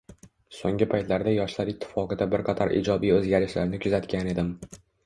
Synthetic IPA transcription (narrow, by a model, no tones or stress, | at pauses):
soŋɡʲɪpʰajt̪laɾd̪ajɒʃlaɾɪt̪ʰːɪ̥fɒqɨd̪abɪɾqʰɑt̪ʰaɾʔḭd͡ʒɒbijɵzɡʲaɾɪʃlaɾnɪkʰʊzat̪kʲane̞d̪ɪm